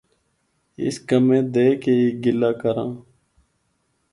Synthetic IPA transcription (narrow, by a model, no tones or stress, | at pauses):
ɪ̰skəmẽːd̪eːkeeːɡɪlaːkəɾã̰ː